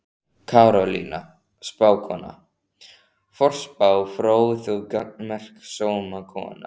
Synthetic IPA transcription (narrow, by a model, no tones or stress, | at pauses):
kʰaɾɔlḭːna | spaːwkʰɔːna̰ | fɔr̥spaːwfɾoːwθukamɛr̥ksoːwmakʰɔ̰ːna